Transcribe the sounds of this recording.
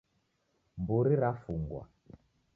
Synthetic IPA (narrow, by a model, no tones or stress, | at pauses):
mbuɾiɾafuŋɡwa̰